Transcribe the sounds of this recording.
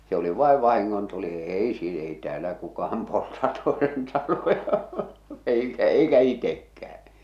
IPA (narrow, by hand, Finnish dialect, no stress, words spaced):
se oli ʋɑˑeʋ ʋɑhiŋːontuli eˑi si ei tĕæːlːæ kukɑhɑm poltɑ toesen tɑlojɑ eikæ eikæ itekːæhæ̥